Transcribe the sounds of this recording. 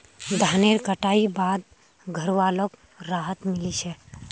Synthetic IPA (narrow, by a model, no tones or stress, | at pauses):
d̪ʱaːneɾkəʈaːibaːd̪̚ | ɡʱəɾʋaːlok | ɾaːɦət̪mɪlit͡ʃɛ